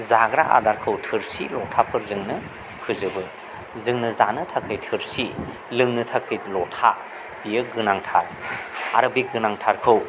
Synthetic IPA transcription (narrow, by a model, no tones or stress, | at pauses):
zaɡɾaʔa̰daɾkʰɯwtʰɯɾsḭlɔtʰapʰɯɾzɯŋnɯ | pʰɯzɯbɯ | zɯŋnɯzanɯtʰakʰɯjtʰɯɾsi | lɯŋnɯtʰakʰɯjlɔtʰa | b̥ijɯɡɯnaŋtʰa̰ɾaɾɯbiɡɯnaŋtʰaɾkʰɯw